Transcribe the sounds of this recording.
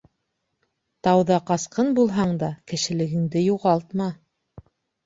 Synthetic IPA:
t̪ɑwðɑqɑsqɤnbulˠɦɑɴd̪ɑkɘ̆ʃɘ̆lɘ̆ɡɘ̆ŋd̪ɘjuʁɑlˠt̪mɑ

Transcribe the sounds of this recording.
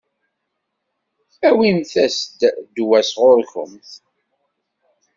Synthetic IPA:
æwimθæsd̪d̪wæsʁʊɾçʊ̰mθ

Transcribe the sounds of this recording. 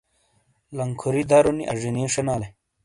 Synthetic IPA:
lɐŋkʰuɾid̪aɾuniʔɐ̰ʐiniʂɐnaːle

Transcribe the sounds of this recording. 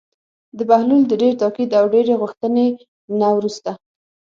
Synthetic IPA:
d̪əbahluld̪əɖeɾt̪ɑkid̪awɖeɾeɣʊxt̪əne | nawɾust̪a

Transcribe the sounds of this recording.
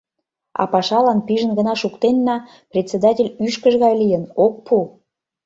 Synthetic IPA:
ɑ̰pɑʃɑlɑnpiʒə̆nɡənɑʃukt̪enːɑ | prʲet͡sed̪ɑtʲelʲyʃkəʒɣɑjlijənok̚pu

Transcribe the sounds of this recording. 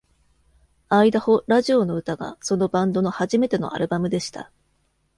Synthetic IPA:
aid̪aho̞ɾaʑio̞no̞ɯ̟t̪aɡa̰so̞nobãnd̪o̞no̞haʑime̞t̪e̞no̞̰ʔa̰ɾɯ̟bamɯ̟d̪e̞ɕi̥t̪a̰

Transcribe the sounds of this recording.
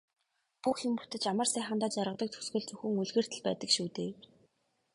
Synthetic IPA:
puxɪmpu̥t̪ɘ̆t͡ɕamə̆rsæːχə̆nt̪aːt͡ɕaɾʁə̆t̪ə̆k̚t̪ʰɵ̥sɡɵ̆ɮt͡sɵxɵ̆ŋuɮɣɘ̆r̥t̪ɘ̆ɮpæ̰ːt̪ə̆kʃuːt̪eː

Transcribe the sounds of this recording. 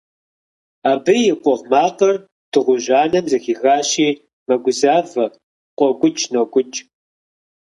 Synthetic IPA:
aːbɨjɪqʷʼɔʁmaːqɐr | d̥ɨʁʷʊʑaːnɐmzɐxiːɣaːɕiː | mɐɡʷʊzaːvɐ | qʷʼɔɡʷʊt͡ʃʼnoɡʷʼʊt͡ʃʼ

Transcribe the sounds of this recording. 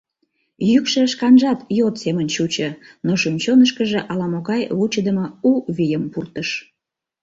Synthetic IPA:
jykʃəʃkɑnʒɑt̪jot̪semənt͡ɕut͡ɕənoʃunʲt͡ɕonəʃkəʒeʔɑlɑmoɣɑjut͡ɕəd̪əmouβijəmpurt̪əʃ

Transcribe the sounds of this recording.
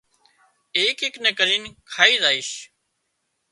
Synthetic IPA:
eːkɦɪknekəɾiːnkʰaːiːzaːiːʃ

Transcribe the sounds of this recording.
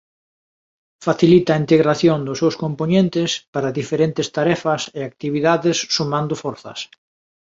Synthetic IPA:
faθilit̪ɐːint̪eɣɾaθjond̪ʊsewskomponent̪ɪspaɾɐðifeɾent̪ɪst̪aɾɛfɐseak̚t̪iβiðaðɪsːumãnd̪ʊfɔɾθɐ̰s

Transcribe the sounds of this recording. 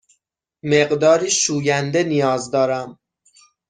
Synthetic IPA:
meɢd̪ɒːɾiːʃuːjænd̪e̞nijɒːzd̪ɒːɾæm

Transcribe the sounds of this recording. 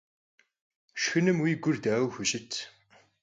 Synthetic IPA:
ʃxɨnɨmwiːɡʷʊrd̪aːwxʷʊɕʼɪt̪ʰ

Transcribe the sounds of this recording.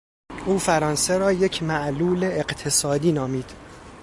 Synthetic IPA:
ʔuːfæɾɒːnseɾɒːjecʰmæʔluːle̞ːɢt̪ʰesɒːd̪iːnɒːmiːd̪̥

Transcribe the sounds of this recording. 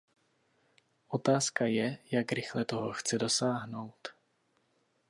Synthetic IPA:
ʔot̪aːskajɛjakɾɪxlɛt̪oɦoxt͡sɛdo̞saːɦno̞wt̪

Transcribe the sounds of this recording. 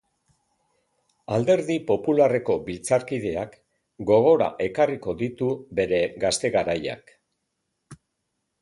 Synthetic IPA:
ald̪e̞ɾðipo̞pulare̞ko̞bilt͡saɾkið̞e̞ak | ɡo̞ɣ̞o̞ɾa̰ʔe̞kariko̞ðit̪ube̞ɾe̞ɡast̪e̞ɣaɾaja̰k

